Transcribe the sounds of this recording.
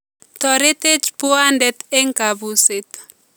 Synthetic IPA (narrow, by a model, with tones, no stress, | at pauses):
t̪ɔ˨ɾe˦te˦d͡ʒpu˦a˦ndɛt̪ɛ˦ŋka˨buse˨t̪